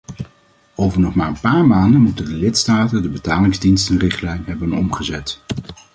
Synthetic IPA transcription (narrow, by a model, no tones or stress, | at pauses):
owvəɹnɔχmaːɹənpaːɹmaːndənmutəndəlɪtstaːtəndəbətaːlɪŋzdinstənrɪχtlɛjnɦɛbənɔ̰mχəzɛt